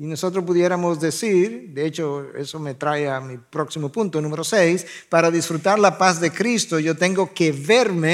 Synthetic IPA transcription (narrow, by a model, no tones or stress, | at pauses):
inoso̞t̪ɾos̬puðje̞ɾamo̞zðe̞siɾd̪eet͡ʃo̞ḛso̞me̞t̪ɾaeamipɾo̞ksimopunt̪onũmeɾo̞sejspaɾaðisfɾut̪aɾlapazðe̞kɾist̪o̞ʝo̞t̪e̞ŋɡo̞ke̞βeɾme